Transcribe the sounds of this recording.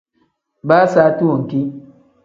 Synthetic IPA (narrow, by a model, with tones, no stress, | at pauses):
ba˦saː˦tu˦wo˨ŋ˨ki˦